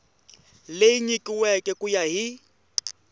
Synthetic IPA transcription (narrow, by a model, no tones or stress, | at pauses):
lejiɲikʼiwɛkʼɛkʼujaɦi